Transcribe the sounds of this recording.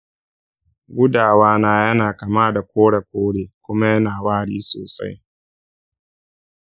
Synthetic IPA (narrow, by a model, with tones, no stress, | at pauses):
ɡʷʊ˦daː˨waː˦naː˦jɐ˦naː˨kɐ˨maː˦da˨kʷoː˦ɽa˨kʷoː˦ɽeː˨kʷʊ˦ma˦jɐ˦naː˨waː˦ɽiː˦soː˨sa̰˦j